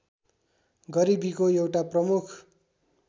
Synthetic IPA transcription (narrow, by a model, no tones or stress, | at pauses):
ɡʌɾibikojewʈaprʌmukʰ